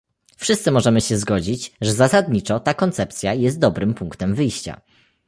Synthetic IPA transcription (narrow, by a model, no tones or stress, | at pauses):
fʂɘst̪sɘmɔʐɛmɘɕɛzɡɔd͡ʑit͡ɕʐɛzasad̪ɲit͡ʂɔt̪akɔnt̪sɛpt̪sʲjajɛst̪̚d̪ɔbɾɘmpuŋkt̪ɛmvɘjɕt͡ɕa̰